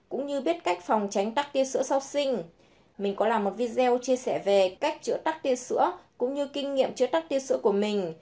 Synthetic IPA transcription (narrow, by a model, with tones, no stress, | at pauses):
kʊ̰˧˥ŋ͡mɲɨ˧ɓi˦˥ət̚ka˦˥jk̟̚fa˨˩wŋ͡mt͡ɕa˨˦jŋ̟t̪a˦˥k̚t̪i˧əsɨ̰˧˥əsa˧wsï˧ŋ̟ | mï˨˩ŋ̟kɔ˨˦laː˨˩mo˨˩t̚vi˧zɛ˧wt͡ɕi˧əsɛ˧˩ve˨˩ka˦˥jk̚t͡ɕɨ̰˧˥ət̪a˦˥k̚t̪i˧əsɨ̰˧˥əkʊ̰˧˥ŋ͡mɲɨ˧kï˧ŋ̟ŋḭ˧˨əmt͡ɕɨ˦˥ət̪a˦˥k̚t̪i˧sɨ̰˧˥əku˧˩əmï˨˩ŋ̟